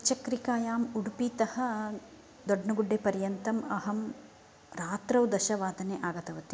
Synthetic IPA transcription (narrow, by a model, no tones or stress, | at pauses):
t͡ʃɐkɾikaːjaːmuɽupit̪ɐhɐ̆ | d̪oɖnɐɡuɖːeːpɐɾjɐnt̪ɐmɐɦɐm | ɾaːt̪ɾɐwd̪ɐʃɐʋaːd̪ʱɐneːʔaːɡɐt̪ɐʋɐt̪i